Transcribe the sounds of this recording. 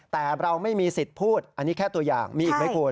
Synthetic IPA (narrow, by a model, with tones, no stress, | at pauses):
t̪ɛː˨˩ɾa˧wma˥˩jmiː˧si˨˩t̪̚pʰuː˥˩t̪̚ʔa˧nːi˦˥kʰɛː˥˩t̪u˧ɐja̰ː˨˩ŋmiː˧ʔi˨˩k̚ma˥˩kʰu˧